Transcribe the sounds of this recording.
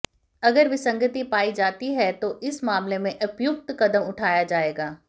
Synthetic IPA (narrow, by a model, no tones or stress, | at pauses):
ɐɡəɾʋɪsɐ̃ŋɡət̪ipaːid͡ʒaːt̪iɦɛt̪oʔɪsmaːmlemẽʔɐpjʊk̚t̪kɐd̪əmʊʈʰaːjad͡ʒaːeːɡaː